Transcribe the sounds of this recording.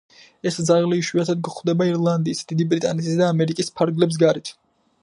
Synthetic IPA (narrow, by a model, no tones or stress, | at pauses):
ɛsd̪zaʁliʃwiat̪ʰad̪̚ɡɔχwd̪ɛbaiɾlˠand̪iːsd̪id̪ibɾit̪ʼanɛt̪ʰisd̪aːmɛɾikʼispʰaɾɡlɛps̬ɡaɾit̪ʰ